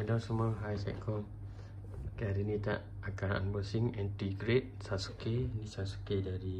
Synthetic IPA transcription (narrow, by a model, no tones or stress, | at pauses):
adasəməɦajsa̰kɔ | kaɾinit̪a̰ʔ | akaɾaa̰nbəsiŋɛ̃nt̪iɡɾet̪̚sasu̥kenisasu̥kedaɾi